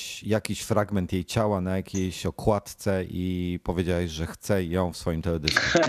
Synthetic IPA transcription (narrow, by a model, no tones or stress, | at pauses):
ɕjakʲiɕfɾaɡmɛnt̪jejt͡ɕawanajakʲʰejɕɔkʰwat̪t̪sɛʔipɔvʲjed͡ʑawɛʑʐɛxt̪sɛjɔ̃w̃fsfɔjimt̪ɛɔd̪ɘsku